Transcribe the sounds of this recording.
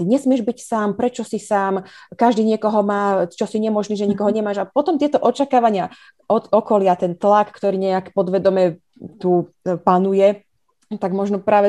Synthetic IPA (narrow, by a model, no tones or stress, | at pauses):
t̪iɲɛsmɪɛʒbicsaːmpɾɛt͡ʃɔsisaːmkaʒd̪iːɲɪɛkɔɦɔmaːt͡ʃɔsiɲɛmɔʒniːʒɛɲikɔɦɔɲɛmaːʒapɔt̪ɔmt̪ɪɛt̪ɔʔɔt͡ʃakaːʋaɲɪa | ʔɔɔkɔlɪat̪ɛnt̪lakkt̪ɔɾiːɲɛakpɔd̪ʋɛd̪ɔmɛ | t̪u | panujɛ | t̪aɡmɔʒnɔpɾaːʋɛ